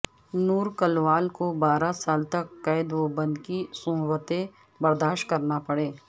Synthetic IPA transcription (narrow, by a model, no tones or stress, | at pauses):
nuːɾkɐlʋaːlkobaːɾasaːlt̪ɐkːɐjɪd̪ʋobɐ̃nd̪kisʊ̃wət̪ẽ | bɐɾd̪aːʃ̚kɐɾnapɐɽeː